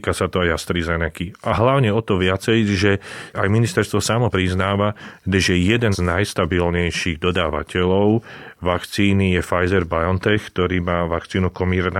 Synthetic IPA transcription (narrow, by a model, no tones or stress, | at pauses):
kasat̪ɔajast̪ɾizɛnɛkiʔaɦlaʊɲɛɔt̪ɔʋɪat͡sɛjʒɛajminist̪ɛɾst̪ʋɔsamɔpɾiznaːʋaʒɛjɛd̪ɛnznajst̪abilɲɛjʃiɣd̪ɔd̪aːʋa̰cɛlɔʊʋakt͡siːnijɛfajzɛɾbajɔnt̪ɛxkt̪ɔɾiːmaːʋakt͡siːnukɔmiːɾna